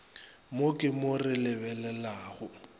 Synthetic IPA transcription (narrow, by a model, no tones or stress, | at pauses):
mokʼɪmorɪlɪbɛlɛlaːɣʊ